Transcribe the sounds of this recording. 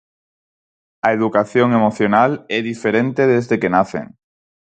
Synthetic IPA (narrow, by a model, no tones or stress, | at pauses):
ɐeðukaθjoŋemoθjonalɛðifeɾent̪eðezðekenaθḛŋ